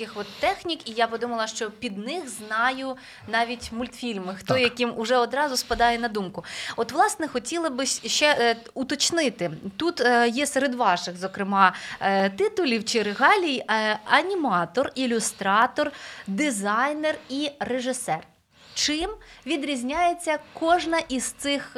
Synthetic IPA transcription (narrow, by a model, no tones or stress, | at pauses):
kɪxɔt̪ːɛxnʲikijabɪd̪umɐlˠɐʃt͡ʃɔpʲid̪nɪxznɑjʊ | nɑʋʲitʲmʊlʲt̪fʲilʲmɪxt̪ɔjɐkʲimʊʒɛɔd̪ɾɑzʊspɐd̪ɑjɛnɐd̪umkʊɔt̪ʋlˠɑsnɛxɔtʲilˠɐbɪsʲʃt͡ʃɛ | ut̪ɔt͡ʃnɪt̪ɪt̪ut̪jɛseɾed̪ʋɑʃɪxzɔkɾɪmɑt̪ɪt̪ʊlʲiwt͡ʃɪɾeɦɑlʲijɐnʲimɑt̪ɔrilʲʊst̪ɾɑt̪ɔrd̪ɪzɑjnerireʒɪsɛr | t͡ʃɪmʋʲid̪ɾʲizʲnʲajet͡sʲːɐkɔʒnɐʔizt̪sɪx